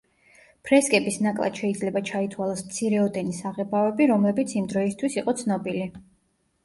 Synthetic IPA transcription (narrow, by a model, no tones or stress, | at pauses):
pʰɾɛskʼɛbisnakʼlˠa̰d̪̥ʃɛid̪zlɛbat͡ʃʰait̪ʰwalˠasmt̪sʰiɾɛɔd̪ɛnisaʁɛbavɛbiɾɔmlɛbit̪sʰimd̪ɾɔist̪ʰwisiqʼɔt̪sʰnɔbili